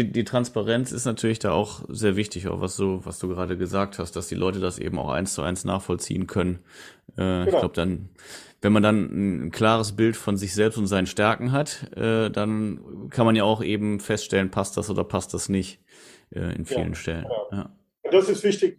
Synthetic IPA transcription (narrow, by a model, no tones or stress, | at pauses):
diːtʁ̥anspaʁɛnt͡sɪstnatʰyːɐlɪçd̥aːʔa̰ʊxzeːɐvɪçtɪça̰xva̰sz̥oːva̰sd̥uːɡəʁaːdəɡəzaːk̚thast̚d̥asd̥iːlʔɔʏtədasʔḛːbm̩aʊxʔa̰ɪnst͡sʊʔa̰ɪnsna̰ːχfɔlt͡sḭːənkʰœnən | ʔɛːɪçɡlaʊbədan | vɛnmandannnkl̥aːʁ̞əs̬b̥ɪltfɔnzɪçz̥ɛlpstʊntz̥aɪnənʃtɛɐkŋ̩ɦatʔɛːdankʰanmanjaːʊxʔeːbm̩fɛstʃtɛlənpʰastd̥asʔoːdɐpʰast̚d̥asnɪç | ʔɛ̰ːʔɪ̰nfiːlə̰nʃtɛlə̰nːjaː | d̥asɪstv̥ɪçtɪ